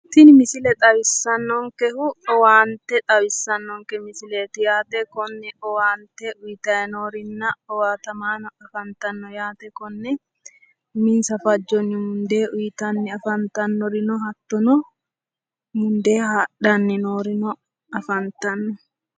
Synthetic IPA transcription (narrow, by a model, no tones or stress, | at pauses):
t̪ɪnmɪsɪlɛt̪ʼɐwɪsːɐnːɔŋkɛhʊɔwaːnt̪ːɛt̪ʼɐwɪsːɐnːɔŋkɛmɪsɪle̞ːt̪ʊjaːt̪ɛkɔnːɛʔɔwaːnt̪ːɛʔʊjt̪ɐjɛnoːɾɪnːɐɔwaːt̪ɐmaːnɔɐfɐnt̪ɐnːɔjaːt̪ɛkɔnːɛ | mɪnsɐfɐd͡ʒːɔnːɪmʊnd̪e̞ːʔʊjt̪ɐnːɪɐfɐnt̪ɐnːɔɾɪnɔɦɐt̪ːɔnɔ | mʊnd̪e̞ːhaᶑɐnːɪnoːɾɪnɔ | ɐfɐnt̪ɐnːɔ